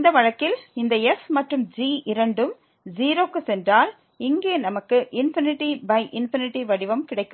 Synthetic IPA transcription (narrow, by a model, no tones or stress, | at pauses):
ɪnd̪ɐʋɐɻɐkːɪlɪnd̪ɐɛfmɐʈrɯmd͡ʒiːɪɾɐɳɖɯm | d͡ʒiːɾoːkːɯsɛndraːl | ɪŋɡeːnɐmɐkːɯʔɪnfɪnɪʈːibɐɪʔɪnfɪnɪʈːiʋɐɽɪʋɐmkɪɽɐɪkːɯ